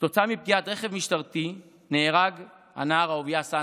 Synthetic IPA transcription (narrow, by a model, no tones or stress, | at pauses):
t̪o̞t͡samip̚ɡiat̪ʁeχe̞vmiʃtaʁt̪i | neːʁaɡ | ha̰naːʁaovjasa